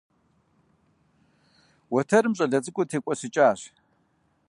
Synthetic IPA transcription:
wɔtʰɐɾɨmɕʼɐɮɐt͡sʼɨkʷʼʊtʰeːkʷʼɔsɨt͡ʃʼaːɕ

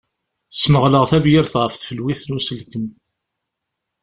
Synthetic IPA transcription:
sːməʁləʁθævjiɾθʁəfθfəlwiθnusəlkən

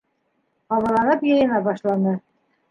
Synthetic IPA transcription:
ɑβɑ̆lˠɑnɤpjɤ̆jɤ̆nɑbɑʃlˠɑnɤ

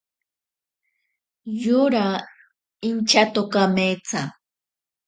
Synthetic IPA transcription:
jʊɾa | ɪnt͡ʃat̪okamet͡sa

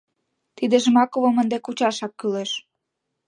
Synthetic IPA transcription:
t̪id̪eʒəmɑkoβomənd̪ekut͡ɕɑʃɑkːyleʃ

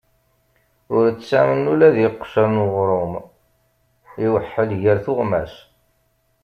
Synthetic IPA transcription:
ʊɾt͡sːsæmənːulæðiqːʃəɾnʁɾˤʊm | iwəħːəlʝəɾθʊʁmæ̰s

